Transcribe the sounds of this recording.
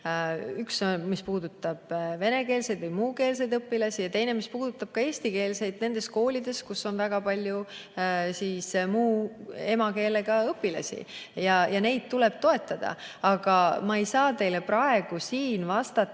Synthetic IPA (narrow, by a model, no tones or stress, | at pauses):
yksomispuːd̪ut̪ːˑɑb̥ve̞ne̞keːlse̞jd̪vɤjmuːke̞ːls̬e̞jd̪ɤpːilɑsʲijɑt̪e̞jne̞mispuːd̪̥ut̪ːˑɑb̥̚kɑe̞ːsʲt̪ike̞ːlse̞jd̪̥̚ne̞nd̪e̞sko̞ːlid̪̥e̞skusːo̞nvæɡ̥ɑpɑlʲju | siːsmuːe̞mɑke̞ːle̞ɡ̥ɑɤpːilɑ̰sʲḭjɑjɑne̞jd̪̥̚t̪ule̞b̥̚t̪o̞e̞t̪ːˑɑd̪̥ɑ̰ | ɑɡ̥ɑmɑe̞jsɑːt̪e̞jleprɑe̞ɡ̥usiːnvɑst̪ɑ